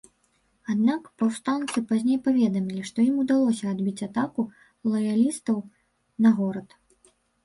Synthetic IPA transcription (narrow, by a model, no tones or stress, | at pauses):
ad̪nakpawst̪ant̪sɨpazʲnʲejpavʲɛd̪ɐmʲilʲiʂt̪ɔjimud̪alˠɔsʲɐːd̪bʲit͡sʲat̪aku | lˠɐjalʲist̪ɐw | nɐɣɔɾɐt̪